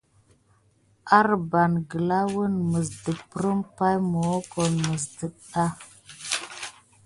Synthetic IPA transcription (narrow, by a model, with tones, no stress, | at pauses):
a˦ɾba˨nɡə˨la˦wə˦nmə˨zdə˨pɾə˦mpa˦jmo˨wo˦ko˨nmə˨sdə˨ɗɗa˦